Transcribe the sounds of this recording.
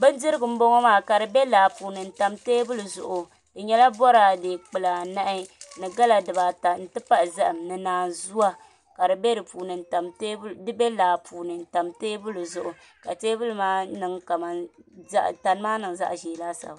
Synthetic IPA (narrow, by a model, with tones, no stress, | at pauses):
bɨ˦ndɨ˦ɾɨ˦ɡɨ˨m̩˦bo˦ŋɔ˦maː˦˨ka˨dɨ˨bɛ˦laː˨puː˨nɨ˨n̩˨ta˨mteː˦bʊ˦lu˨zʊ̰˨ʔʊ˨ | dɨ˨ɲɛ˦la˦bɔ˦ɾaː˨de˨k͡pɨ˨la˨na˦ʔɪ˦nɨ˨ɡa˦la˨dɨ˨ba˨ta˨n̩˨tɨ˦pa˦ʔzɨ˦ʔɨ˨mnɨ˨naː˨nzu˦wa˦ | ka˨dɨ˨bɛ˦dɨ˨puː˨nɨ˨n˨ta˨mte˦dɨ˦bɛ˦laː˨puː˨nɨ˨n̩˨ta˨mteː˦bʊ˦lɨ˨zʊ˨ʔʊ˨ | ka˨teː˦bʊ˦lɨ˨maː˦nɨ˨ŋka˨ma˨nza˦ʔta˨n˦maː˦nɨ˨ŋ˨za̰˦ʔʒeː˨laː˦sa̰˨b